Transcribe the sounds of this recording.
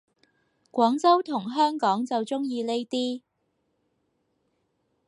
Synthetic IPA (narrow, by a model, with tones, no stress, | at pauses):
kʷɔː˨˥ŋt͡sɐ˥wt̪ʰʊ˨˩ŋɦœː˥ŋkɔː˨˥ŋt͡sɐ˨wt͡sʊ˥ŋjiː˧le˥jt̪iː˥